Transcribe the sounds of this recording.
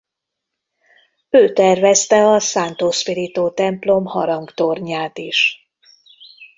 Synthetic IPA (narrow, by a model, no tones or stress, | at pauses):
øːt̪ɛrvɛst̪ɛɒsaːnt̪oːspiɾit̪oːt̪ɛmplo̞mhɒ̰ɾɒŋɡt̪orɲaːt̪iʃ